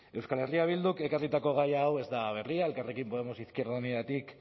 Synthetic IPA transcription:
e̞wskale̞riaβ̞ild̪uke̞karit̪ako̞ɣ̞ajaːwe̞zd̪aβ̞e̞riae̞lkare̞kimpo̞ð̞emo̞siskieɾðunetat̪ik

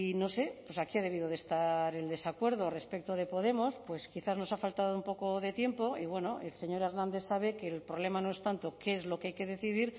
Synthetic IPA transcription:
no̞se̞pwesakiað̞e̞β̞iðoðe̞st̪aɾe̞ld̪e̞sakwe̞ɾð̞ore̞spe̞k̚t̪oð̞e̞po̞ð̞e̞mo̞spwe̞skiθazno̞safalt̪aðoumpo̞koðe̞t̪je̞mpo̞iβwe̞no̞ʔelse̞ɲo̞ɾe̞ɾnãnd̪e̞saβe̞ke̞lpɾoβle̞manoe̞st̪ant̪o̞keezlo̞keajke̞ðe̞θiðiɾ

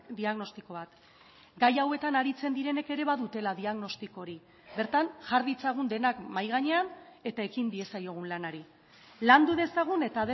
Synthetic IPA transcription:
d̪iaɣno̞st̪iko̞βat̪ | ɡajawe̞t̪anaɾit͡se̞nd̪iɾe̞ne̞ke̞ɾe̞βaðut̪e̞laðiaɣno̞st̪iko̞ɾi | be̞ɾt̪anʝaɾðit͡saɣ̞und̪e̞nakmajɣ̞aɲe̞ane̞t̪ae̞kind̪ie̞sajo̞ɣ̞unlanaɾi | land̪uðe̞saɣ̞une̞t̪aðe

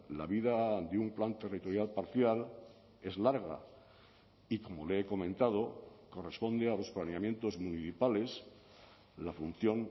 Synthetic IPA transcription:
la̰βiðad̪eumplant̪e̞rit̪o̞ɾjalpaɾθjal | e̞zlaɾɣa̰ | iko̞mo̞leeko̞mẽ̞nt̪að̞o̞ko̞re̞spo̞nd̪ealo̞splaneamje̞nt̪o̞zmuniθipale̞s | lafun̟θjo̞n

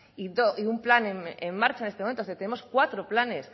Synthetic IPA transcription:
idoiumplanememːaɾt͡ʃaenest̪eoment̪oet̪ene̞mo̞skwat̪ɾoplane̞s

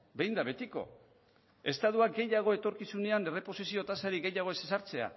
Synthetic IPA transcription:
be̞jnd̪aβe̞t̪iko̞̰ | e̞st̪aðuakɡe̞jaɣ̞o̞e̞t̪o̞ɾkisune̞ane̞re̞po̞sisio̞t̪asaɾiɡe̞jaɣ̞o̞e̞sesaɾt͡se̞a̰

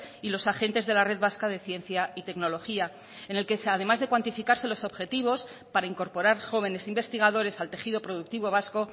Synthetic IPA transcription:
ilo̞saxe̞nt̪e̞zðe̞lare̞ðβaskaðe̞θje̞nθjait̪e̞kno̞lo̞xia | e̞ne̞lke̞sað̞e̞mazðe̞kwant̪ifikaɾse̞lo̞so̞βxe̞t̪iβo̞spaɾaiŋko̞ɾpo̞ɾaɾxo̞β̞e̞ne̞simbe̞st̪iɣað̞o̞ɾe̞salt̪e̞xiðo̞pɾo̞ð̞uk̚t̪iβo̞β̞asko̞

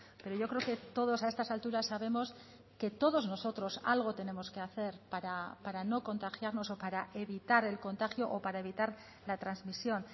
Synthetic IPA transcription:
pe̞ɾo̞ʝo̞kɾe̞oke̞t̪o̞ð̞o̞sae̞st̪asalt̪uɾasːaβe̞mo̞s | ke̞t̪o̞ðo̞zno̞so̞t̪ɾo̞sa̰lɣ̞o̞t̪e̞ne̞mo̞ske̞aθe̞ɾpaɾapaɾano̞ko̞nt̪axjaɾno̞so̞paɾaʔe̞βit̪aɾe̞lko̞nt̪axjo̞ʔopaɾae̞β̞it̪aɾ | lat̪ɾanzmisjo̞n

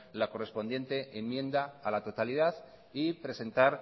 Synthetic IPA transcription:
lako̞re̞spo̞nd̪je̞nt̪e̞emːjẽ̞nd̪aalat̪o̞t̪aliðað | ipɾe̞se̞nt̪aɾ

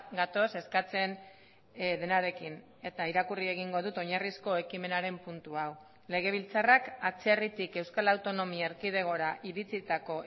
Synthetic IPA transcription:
ɡat̪o̞se̞skat͡se̞n | ðe̞naɾe̞kin | e̞t̪aiɾakurie̞ɣ̞iŋɡo̞ð̞ut̪o̞ɲarisko̞e̞kime̞naɾe̞mpunt̪uaw | le̞ɣ̞e̞β̞ilt͡sarakat͡serit̪ike̞wskalawt̪o̞no̞miaeɾkið̞e̞ɣ̞o̞ɾaʔiɾit͡sit̪ako̞

